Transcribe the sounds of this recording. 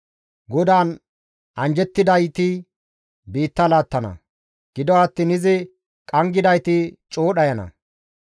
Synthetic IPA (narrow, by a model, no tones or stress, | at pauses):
ɡɔd̪aːn | ʔɐnd͡ʒɛt̪ːɪd̪ɐjt̪ɪ | biːt̪ːɐlaːt̪ːɐnɐ̰ | ɡ̥ɪd̪ɔɐt̪ːiːnɪzɪ | kʼɐŋɡɪd̪ɐjt̪ɪt͡ʃʼoːɗɐjɐnɐ̰